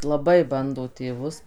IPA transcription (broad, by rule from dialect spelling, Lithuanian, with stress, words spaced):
lˠɐˈbɐɪ ˈbɐndoː tʲeːˈʋʊs